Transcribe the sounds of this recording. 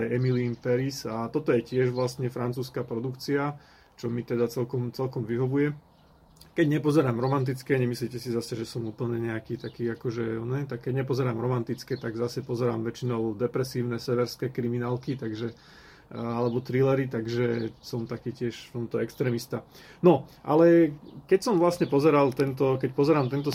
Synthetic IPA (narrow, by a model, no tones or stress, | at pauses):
jɛmilimpɛɾisat̪ɔt̪ɔjɛcɪɛʒʋlast̪ɲɛfɾant͡suːskapɾɔd̪ukt͡sia | t͡ʃɔmit̪ɛd̪at͡sɛlkɔmt͡sɛlkɔmʋiɦɔʋujɛ | kɛɟɲɛpɔzɛɾaːmɾɔmant̪̬it͡skɛɲɛmislicɛsizasɛʒɛsɔmuːpl̩ɲɛɲɛakiːt̪akiːakɔʒɛɔnɛt̪akːɛɟɲɛpɔzɛɾaːmɾɔmant̪it͡skɛt̪aɡzasɛpɔzɛɾaːmʋɛt͡ʃinɔʊd̪ɛpɾɛsiːʊnɛsɛʋɛɾskɛːkɾiminaːlkit̪aɡʒɛ | alɛbɔt̪ɾilɛɾit̪aɡʒɛsɔmt̪akiːcɪɛʃfft̪ɔmt̪ɔɛkst̪ɾɛːmist̪a | nɔʔa̰lɛkɛcsɔmʋlasɲɛpɔzɛɾalt̪ɛnt̪̬ɔkɛcpɔzɛɾaːmt̪ɛnt̪ɔ